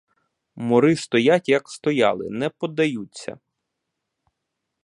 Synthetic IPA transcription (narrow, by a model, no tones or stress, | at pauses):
mɔɾɪst̪ɔjatʲjɐkst̪ɔjɑ̰lˠɪ̰nɛpɔd̪ɐjut͡sʲːɐ̰